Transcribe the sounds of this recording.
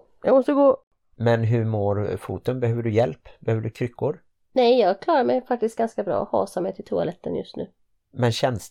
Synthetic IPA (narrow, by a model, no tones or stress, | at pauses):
jɑ̰ɡmɔst̪əɡoː | mɛnɦɵɾmoːɾfuːt̪ənbɛhøːvəɖɵjɛlpbɛhøːvəɖɵkʰɾʏkʰːʊɾ | nɛjːɑːɡkʰlɑːɾaɾmɛjfak̚t̪ɪst̪ɡanskabɾɑ̰ːɔhɑ̰ːsamɛjt̪ʰɪlt̪ʰʊa̰lɛt̪ːə̰njɵst̪nʉ̟ː | mɛnɕɛns